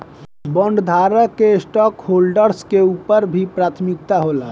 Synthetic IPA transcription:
bəɳɖd̪ʱaɾəkːesʈɔkholɖəɾskeupəɾbʱipɾat̪ʰmik̚t̪aɦola

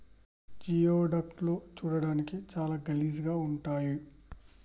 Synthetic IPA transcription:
d͡ʒiːoːɖɐk̚ʈloːt͡ʃuːɽɐɽaːnikit͡ʃaːlaːɡɐliːz̬ɡaːuɳʈaːji

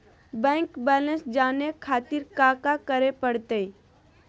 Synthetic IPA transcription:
bɛ̃ːŋkbɛːlə̃nsd͡ʒaːnekʰaːt̪iɾkaːkakəɾepəɽt̪əi

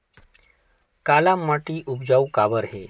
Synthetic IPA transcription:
kalamːaʈiːʔubd͡ʑaukabəɾɦe

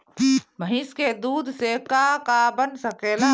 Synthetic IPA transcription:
məɦiːsked̪uːd̪sekakabənsɐkeːlaː

